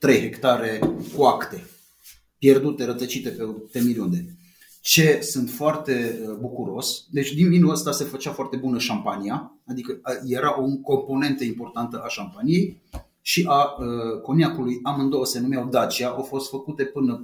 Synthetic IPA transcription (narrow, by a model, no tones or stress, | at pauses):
t̪ɾe̞jɦe̞kt̪aɾe̞kuakt̪e̞ | pje̞rd̪ut̪e̞ɾət̪ət͡ʃit̪e̞pet̪emiliund̪e̞ | t͡ʃe̞sɨnt̪foart̪e̞əbukuɾo̞sd̪e̞t͡ʃʲd̪invinuəst̪ase̞fət͡ʃafoart̪e̞bunəʃampania | ad̪ikəje̞ɾaʔoŋko̞mpo̞ne̞nt̪əimpo̞rt̪ant̪əʔaʃampanije̞j | ʃiʔaəko̞nʲjakulujamɨnd̪owəse̞numeawd̪at͡ʃiaʔawfo̞st̪fəkut̪e̞pɨnə